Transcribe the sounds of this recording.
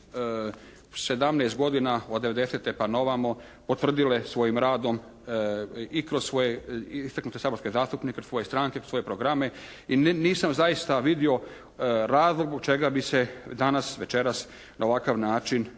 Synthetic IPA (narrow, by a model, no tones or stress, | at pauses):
se̞d̪amneːst̪̚ɡo̞d̪inaod̪ːe̞ʋe̞d̪eset̪epano̞ʋamo̞ | pot̪ʋr̩d̪ile̞sʋo̞jimɾaːd̪o̞m | ikɾoz̥sʋo̞jeist̪aknut̪e̞saːboɾske̞zaːst̪upnikekɾosʋo̞je̞st̪ɾaŋkekɾoso̞je̞pɾoɡɾame̞ | iniːsamzajist̪aʋid̪io̞ | ɾaːzlˠo̞ɡ̪boɡ̚t͡ʃe̞ɡabise̞d̪anasʋe̞t͡ʃeɾas | naoʋakaʋnaːt͡ʃin